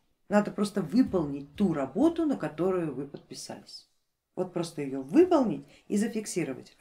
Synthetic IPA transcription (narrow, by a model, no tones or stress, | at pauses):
nad̪əpɾo̞st̪əvɨpəlˠnʲɪt̚ʲt̪uɾɐbo̞t̪ʊnəkɐt̪o̞ɾʊjʊvɨpət̪̚pʲɪsa̰lʲɪsʲ | vo̞t̪̚pɾo̞st̪əjɪjovɨpəlˠnʲɪtʲ | izəfʲɪksʲiɾəvə̰tʲ